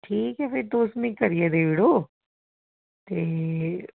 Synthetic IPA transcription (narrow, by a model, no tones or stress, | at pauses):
ʈʰiːkɦɛfɪɾd̪oːst̪mĩkɐɾied̪eːʋiɽoː | t̪e